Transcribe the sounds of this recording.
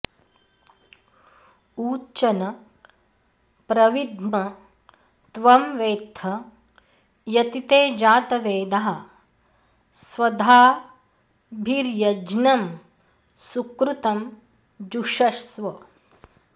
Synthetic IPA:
uːt͡ʃɐnɐ | pɾɐʋid̪mɐ | t̪ʋɐmʋeːt̪ʰɐ | jɐt̪it̪eːd͡ʒaːt̪ɐʋeːd̪ɐɦɐ | sʋɐd̪ʱaː | bʱiɾjɐd͡ʒnɐm | sukɾut̪ɐm | d͡ʒuʂɐʂsʋɐ

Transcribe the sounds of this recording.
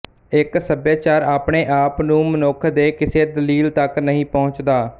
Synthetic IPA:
ɪksəbjaːt͡ʃaːɾaːpɳeːʔaːpnũːmənokʰd̪eːkɪseːd̪əliːlt̪əknəɦĩːpɔːʊt͡ʃd̪aː

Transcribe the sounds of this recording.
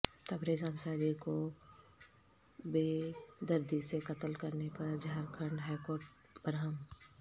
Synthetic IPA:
t̪ɐbɾeːd͡ʒaːnsaːɾiko | beːd̪ɐɾd̪isekɐt̪əlkɐɾnepɐɾd͡ʒaːɾkʰəɳɖɦaːjkoːɾʈ̚ | bɾɦəm

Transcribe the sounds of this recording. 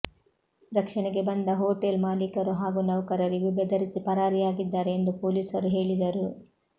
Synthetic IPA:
ɾɐkʂɐɳɛɡe̞bɐnd̪ɐɦoːʈelmaːlikɐɾuɦaːɡunɐʋkɐɾɐɾiʋibɐd̪ɐɾisipɐɾaːɾijaːɡid̪ːaːɾeend̪upoːliːsɐɾuɦe̞ːɭid̪ɐɾu

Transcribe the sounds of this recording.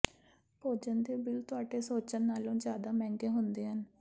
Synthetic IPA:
poːd͡ʒənd̪eːbɪlt̪ʊaːɖeːsoːt͡ʃənːaːlõːd͡ʒjaːd̪aːmɛ̃ːŋɡeːɦʊnd̪eːɦən

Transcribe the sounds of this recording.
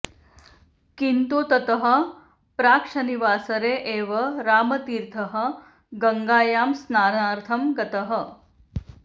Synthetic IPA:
kint̪uːt̪ɐt̪ɐɦɐ̆ | pɾaːkʂɐniʋaːsɐɾeːʔeːʋɐɾaːmɐt̪iːɾt̪ʰɐɦɐ̆ | ɡɐŋɡaːjaːmsnaːnaːɾt̪ʰɐmɡɐt̪ɐɦɐ̆

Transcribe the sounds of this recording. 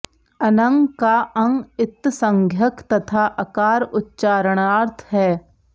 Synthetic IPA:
ɐnə̃ŋɡkaʔɐ̃ŋɡɪt̪ːsə̃ŋɡʱjəkt̪ɐt̪ʰaʔɐkaːɾʊtːʃaːɾəɽ̃aːɾt̪ʰɦɛː

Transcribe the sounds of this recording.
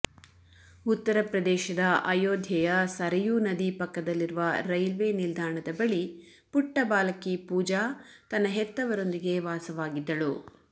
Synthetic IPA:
ut̪ːɐɾɐpɾɐd̪ɛːʃɐd̪ɐʔɐjoːd̪ʱjɐjɐsɐɾɐjunɐd̪ipɐkːɐd̪ɐlːiɾuʋɐɾɐjlʋenild̪ʱaːɳɐd̪ɐbɐɭi | puʈːɐbaːlɐkːipuːd͡ʒaːt̪ɐnːɐɦɛt̪ːɐʋɐɾo̞nd̪iɡe̞ʋaːsɐʋaːɡid̪ːɐɭu

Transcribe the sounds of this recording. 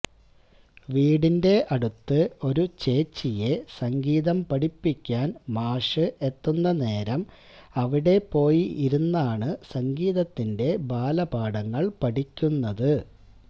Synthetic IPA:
ʋiːɽinde̞ʔɐɽut̪ːɨo̞ɾut͡ɕe̞ːt͡ɕːije̞sɐŋɡiːðɐmpɐɽipːikʲːaːnmaːʂɨe̞t̪ːunːɐne̞ːɾɐm | ɐʋiɽe̞pːo̞ːjiiɾunːaːɳɨsɐŋɡiːðɐt̪ːinde̞baːlɐbaːɽɐŋːɐɭpɐʈikʲːunːɐðɨ

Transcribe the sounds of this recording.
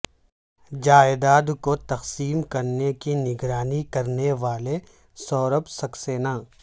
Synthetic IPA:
d͡ʒaːɪd̪aːd̪kot̪ɐqsiːmkɐɾnekinɪɡɾaːnikɐɾneʋaːle | sɔːɾəpsɐkseːnaː

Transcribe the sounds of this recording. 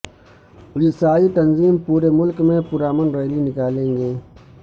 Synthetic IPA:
ʊlɪsaːit̪ɐnziːmpuːɾemʊlkmẽpʊɾaːmənɾeːlinɪkaːlẽːŋɡeː

